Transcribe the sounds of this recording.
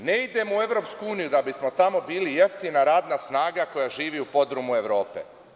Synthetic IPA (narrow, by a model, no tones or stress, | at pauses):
ne̞id̪e̞moue̞ʋɾo̞pskuuːnijud̪abismo̞t̪amo̞biːlije̞ft̪inaɾaːd̪nasnaːɡako̞jaʒiːʋiupo̞d̪ɾomue̞ʋɾo̞ːpḛ